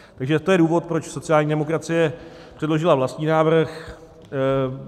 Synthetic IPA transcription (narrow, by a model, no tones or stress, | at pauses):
t̪aɡʒɛt̪o̞jɛduːvo̞t̪̚pɾo̞t͡ʃso̞t͡sɪjaːlɲiːdɛmo̞kɾat͡sɪjɛ | pr̥ɛdlo̞ʒɪlavlast̪ɲiːnaːvr̩x